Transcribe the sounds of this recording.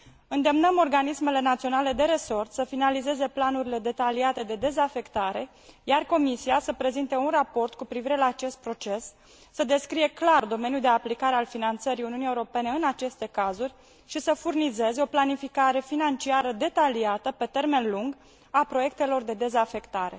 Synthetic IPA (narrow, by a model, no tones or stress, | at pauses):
ɨnd̪e̞mnəmo̞rɡanisme̞le̞nat̪sio̞nale̞d̪e̞ɾe̞so̞rt̪səfinalize̞ze̞planuɾile̞d̪e̞t̪aliat̪e̞d̪e̞d̪e̞zafe̞kt̪aɾe̞ | jarko̞misiasəpɾe̞zint̪e̞unrapo̞rt̪kupɾiviɾe̞laːt͡ʃe̞st̪̚pɾo̞t͡ʃe̞sː | əd̪eskɾije̞klard̪o̞me̞nʲjuld̪e̞aplikaɾe̞alfinant̪səɾiuniunije̞uɾo̞pe̞ne̞ɨnat͡ʃe̞st̪e̞kazurʲ | ʃisəfurnize̞zeo̞planifikaɾe̞finant͡ʃiaɾəd̪e̞t̪aliat̪əpe̞t̪e̞rme̞nluŋɡ | apɾo̞je̞k̚t̪e̞lo̞rd̪e̞d̪e̞zafe̞kt̪aɾe̞̰